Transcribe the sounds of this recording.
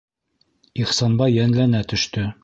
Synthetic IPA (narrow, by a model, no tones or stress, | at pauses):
iχsɑnbɑjːænlænæt̪ɵ̆ʃt̪ɵ